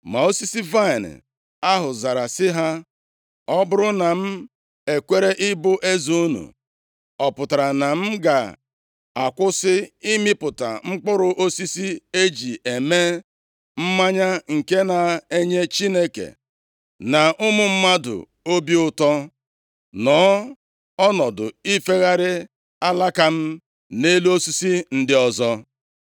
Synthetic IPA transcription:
ma˨o˦si˦si˦va˦ɪ˨n̰˨ | a˦ɦʊ˨za˨ɾa˨sɪ˦ɦa˦ | ɔ˦bʊ˦ɾʊ˦na˨m̩˦ | e˨kʷe˦ɾe˦ʔɪ˦bʊ˦ʔe˦zu˦u˦nṵ˨ | ɔ˨pʊ˨ta˨ɾa˨na˨m̩˦ɡa˨ | a˨kʷʊ˦sɪ˦i˦mɪ˦pʊ˨ta̰˨ŋ͡m̩˦k͡pʊ˦ɾʊ˨ʔo˦si˦si˦e˦d͡ʒi˨ʔe˨me˦ | m̩˦ma˦ɲa˦ŋ̩˨ke˦na˨e˦ɲe˦t͡ʃi˦ne˦kḛ˨ | na˨ʔʊ˦mʊ˨m̩˦ma˦dʊ̰˨ | o˦bi˦ʊ˦tɔ˦ | nɔː˨˦ | ɔ˦nɔ˨dʊ˨i˦fe˦ɣa˦ɾɪ˦ | a˦la˦ka˦m̩˦ | ne˦lu˦o˦si˦si˦n̩˦dɪ˦ɔ˦zɔ˦

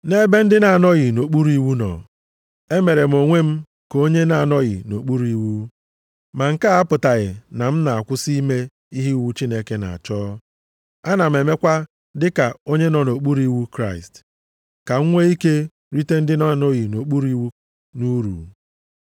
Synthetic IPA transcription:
ne˦be˦n̩˦dɪ˦na˨nɔ˦ɣɪ˨no˨k͡pu˦ɾi˦wu˦nɔ̰˨ | e˦me˨ɾe˨m̩˨o˨ŋʷe˦m̩˦ | ko˦ɲe˦na˨nɔ˦ɣɪ̰˨no˨k͡pu˦ɾu˦i˨˦wu˦ | ma˨ŋ̩˦ka˦a˦pʊ˨ta˨ɣɪ˨na˨m̩˦na˨a˨kʷʊ˦si˦i˦me˦ | i˦ɦi˦wu˦t͡ʃi˦ne˦ke˦na̰˨a̰˨t͡ʃɔː˦ | a˦na˨m̩˨e˨me˦kʷa˦ | dɪ˦ka˨o˦ɲe˦nɔ˨no˨k͡pu˦ɾi˦wu˦kɾa˦ɪ˨st | ka˨ŋ̩˦ŋʷe˦i˦ke˦ | ɾi˦te˦n̩˦dɪ˦na˦˨nɔ˦ɣi˨no˨k͡pu˦ɾu˦i˦wu˦ | nu˦ɾṵ˨

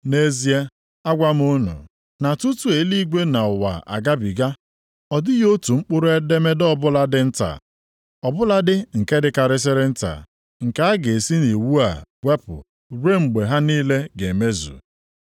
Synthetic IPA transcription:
ne˦zi˦e˦ | a˦ɡʷa˦m˦ʊ˦nʊ̰˨ | na˨tu˦tu˨e˨˦li˦ɡʷe˦na˨ʊ˨wa̰˨a̰˨ɡa˦bi˨ɡa˦ | ɔ˨dɪ˦jo˦tu˨ŋ͡m̩˦k͡pʊ˦ɾʊ˦e˦de˦me˦dɔ˦bʊ˦la˦dɪ˦n̩˦ta̰˨ | ɔ˨bʊ˦la˦dɪ˦ŋ̩˨ke˦dɪ˦ka˨ɾɪ˦s̬ɪ˦ɾɪ˦n̩˦ta̰˨ | ŋ̩˨ka˦a˦ɡe˨e˨si˦ni˨wu˦a̰˨wʷe˦pʊ̰˨ | ɾe˦ŋ͡m̩˨ɡ͡be˨ɦa˦niː˦le˦ɡe˨me˦zṵ˨

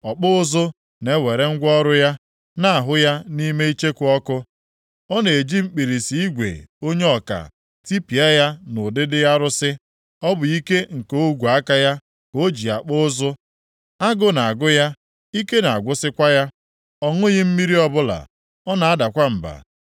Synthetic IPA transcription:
ɔ˨k͡pʊ˦ʊ˦zʊ˦ | ne˦we˨ɾe˦ŋ̩˦ɡʷɔ˦ɾʊ˦ja˦ | na˦a˨ɦʊ˦ja˦ni˦me˦i˦t͡ʃe˦kʊ˨˦ɔ˦kʊ˦ | ɔ˦ne˨e˨d͡ʒi˦ŋ͡m̩˦k͡pi˨ɾi˨si˨i˦ɡʷḛ˨o˦ɲe˦ɔ˨ka̰˨ | ti˦pi˨a˦ja˦nʊ˨dɪ˦dɪ˦ja˦ɾʊ˦sɪ˦ | ɔ˦bʊ˨i˦ke˦ŋ̩˨ko˦o˦ɡʷu˨a˦ka˦ja˦ | ko˦d͡ʒi˨a˨k͡pʊ˦ʊ˦zʊ˦ | a˦ɡʊ˦na˨a˨ɡʊ˦ja˦ | i˦ke˦na˨a˨ɡʷʊ˦sɪ˦kʷa˦ja˦ | ɔ˦ŋʊ˦ɣɪ˦m̩˦mi˦ɾi˦ɔ˦bʊ˦la̰˨ | ɔ˦na˨a˦da˨kʷa˦m̩˨ba̰˨

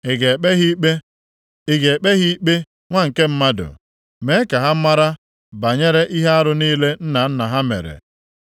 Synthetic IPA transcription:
ɪ˨ɡe˨k͡pe˦ɦi˦k͡pe˦ | ɪ˦˨ɡe˨e˨k͡pe˦ɦi˦i˦k͡pe˦ | ŋʷa˦ŋ̩˨ke˦m̩˦ma˦dʊ̰˨ | me˦ka˨ɦa˦ma˦ɾa˦ | ba˨ɲe˦ɾe˦ʔi˦ɦe˦a˦ɾʊ˦niː˦le˦n̩˦na˨n̩˦na˨ɦa˦mḛ˨ɾḛ˨

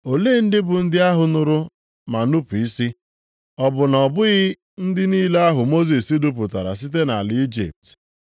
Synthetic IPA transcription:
o˨leː˦n̩˦dɪ˦bʊ˨n̩˦dɪ˦a˦ɦʊ˨nʊ˨ɾʊ˦ | ma˨nu˦pu˨i˦si˦ | ɔ˨bʊ˨nɔ˨bʊ˦ɣɪ˦ | n̩˦dɪ˦niː˦la˦ɦʊ˨mo˦zi˨si˦du˦p̬ʊ˨ta˨ɾa̰˨s̬i˦t̬e˦na˨lɪ˨˦i˦d͡ʒḭ˨p̚t

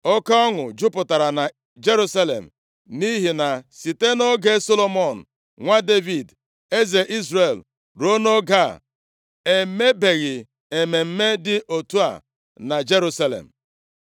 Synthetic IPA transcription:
ɔ˦ka˦ɔ˦ŋʊ˨d͡ʒʊ˦pʊ˨ta˨ɾa˨na˨ | d͡ʒe˦ɾu˦sa˦lḛ˨m̩˨ | ni˦ɦi˨na˨si˨te˦no˦ɡe˦so˦lo˦mɔ˨n̩˨ | ŋʷa˦de˦vi˨d | e˦ze˨ʔi˦zɾe˨l | ɾo˦no˦ɡa˦˨ | e˨me˦be˨ɣɪ˨ | e˨me˨m̩˦me˦dɪ˦ʔo˨tu˦a̰˨ | na˨d͡ʒe˦ɾu˦sa˦lḛ˨m̩˨

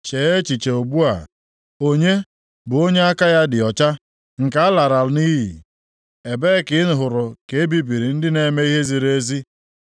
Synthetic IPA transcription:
t͡ʃe˨e˦t͡ʃi˨t͡ʃe˨o˨bu˦a̰˨ | o˦ɲe˦ | bʊ˨o˦ɲe˦a˦ka˦ja˦dɪ˨ɔ˨t͡ʃa˦ | ŋ̩˨ka˦a˦la˨ɾa˨˦ni˦ɦi˨ | e˨be˦kɪ˨˦nʊ˨ɦʊ˨ɾʊ˨ke˨e˦bi˨bi˨ɾi˨n̩˦dɪ˦ne˨me˦i˦ɦe˦zi˨ɾe˦zi˦

